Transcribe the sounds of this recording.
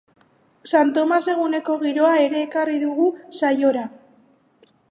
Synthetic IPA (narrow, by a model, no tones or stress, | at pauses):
sant̪o̞mase̞ɣ̞une̞ko̞ɣiɾo̞ae̞ɾe̞ːkariðuɣusajo̞ɾa